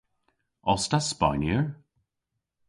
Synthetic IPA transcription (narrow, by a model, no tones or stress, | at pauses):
ɔstaspa̰jniɹ